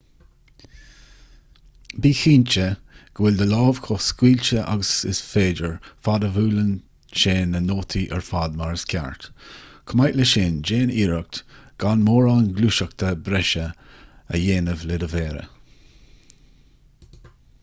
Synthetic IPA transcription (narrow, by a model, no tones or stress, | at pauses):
biːxiːnt͡ʃə | ɡ̥əwɪld̪əlɑːv̥kʰɔskwiːlt͡ʃəʔa̰ɡəsɪ̰sfeːdəɹfad̪əvuːlən | ʃeːnənoːt̪ʰiʔə̰ɹfaːd̪maɹəskʲʰa̰ɹt̪kʰəmajtləʃeːnd͡ʒeːniːɹək̚t̪ɡ̥anmoːɹaːnɡluːʃək̚t̪ʰəbɾɛʃəə̰jeːnəvlɪd̪əveːɾə̰